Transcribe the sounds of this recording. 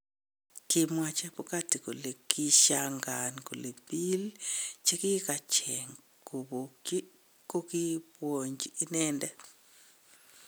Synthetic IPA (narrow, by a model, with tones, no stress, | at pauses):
ki˧mwa˨t͡ʃɛ˦pu˦ka˦ti˨ko˨le˨kʰi˦ʃaŋɡa˨nko˨le˨pi˦lt͡ʃe˦ki˦ka˨t͡ʃɛ˨ŋ | ku˨bo˨ | ko˦ki˦pwo˨ɲd͡ʒii˦nɛndɛ˦